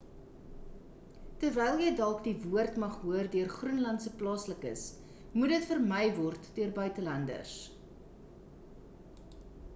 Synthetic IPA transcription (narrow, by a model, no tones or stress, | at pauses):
tərvɛjlˠjəjdɐlˠkdivuərtmɐχɦuərdyərχrunlɐntsəplɑːsləkə̰s | mudətfərməjvɔrtdyərbœɥtəlɐndə̰s